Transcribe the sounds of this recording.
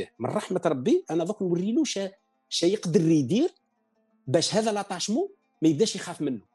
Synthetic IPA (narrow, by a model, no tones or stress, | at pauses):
mə̰nrˤɑħmət̪ɾˤɑbːiʔænæðˤɑknwərːinuʃæ | ʃæjəqd̪ərːid̪iɾ | bæʃhæd̪ælɑt̪ˤɑʃmu | mæjəbd̪æʃjxæfmənːu